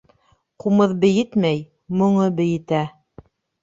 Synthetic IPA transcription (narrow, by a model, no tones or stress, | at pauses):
qumɤðbɘ̆jɘt̪mæj | mŏɴɤbɘ̆jɘ̆t̪æ